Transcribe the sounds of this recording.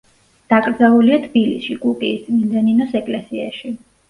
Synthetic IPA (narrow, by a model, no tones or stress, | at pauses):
d̪̥akʼɾd̪zalˠuliat̪ʰb̥ilḭsʃikʼukʼiːst̪mind̪ɛninɔsɛkʼlɛsiaʃi